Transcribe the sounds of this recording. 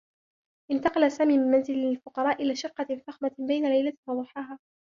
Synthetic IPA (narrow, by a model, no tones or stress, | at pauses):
ʔɪnt̪ɑqɑlasaːmiːmɪnmanzɪllfʊqɑɾˤɑːʔɪlaːʃɪqːɑfɑxmabajnalajlawɑd̪ˤʊħɑːɦaː